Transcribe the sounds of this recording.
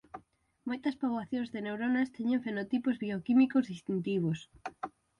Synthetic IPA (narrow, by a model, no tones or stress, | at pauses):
mojt̪ɐspaβwaθjõŋzðenewɾonɐst̪eɲẽɱfenot̪ipozβiokimikozðist̪int̪iβ̞os